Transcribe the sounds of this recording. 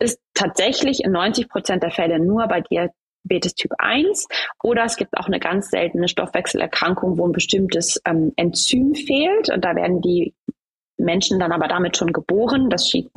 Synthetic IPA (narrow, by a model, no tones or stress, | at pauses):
ʔɪsttʰːaːtz̥ɛçlɪçɪ̰nːɔʏnt͡sɪçpʁ̥ot͡sɛnt̚d̥eːɐfɛlənuːɐbaɪdia | beːtəstʰyːpʔa̰ɪnsʔoːɾɐɛsɡ̥iːp̚ta̰ʊxnəɡant͡sz̥ɛ̰ltn̩əʃtɔ̰fv̥ɛksl̩ʔɛ̰ɐkʁ̥aŋkʊŋvoːnbəʃtɪmtəsʔɛːmʔɛntt͡syːmfeːltʊ̰ntd̥aːvḛɐdn̩diː | mɛnʃn̩danʔaːbɐdamɪtʃoːnɡəboːʁ̞ənd̥asʃḭː